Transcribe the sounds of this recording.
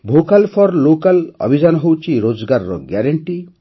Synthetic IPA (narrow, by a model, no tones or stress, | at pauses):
bʱokalpʰɔɾlokalɔ̰bʱid͡ʒanɔɦowt͡ʃʰiɾod͡ʒɡaɾɾɔ̰ɡjaɾeɳʈi